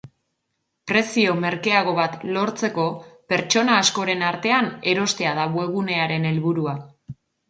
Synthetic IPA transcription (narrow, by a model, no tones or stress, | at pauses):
pɾe̞sio̞me̞ɾke̞aɣ̞o̞βat̪lo̞ɾt͡se̞ko̞pe̞ɾt͡ʃo̞naːsko̞ɾe̞naɾt̪e̞ane̞ɾo̞st̪e̞að̞aβwe̞ɣ̞une̞aɾe̞ne̞lβuɾua